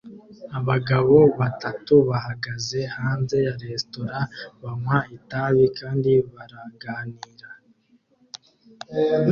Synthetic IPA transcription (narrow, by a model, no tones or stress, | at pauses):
aβaɡaβo̞βatatuβahaɡaze̞haːnze̞jaɾe̞sto̞ɾaβamwaitaβikaːndiβaɾaɡaːniːɾa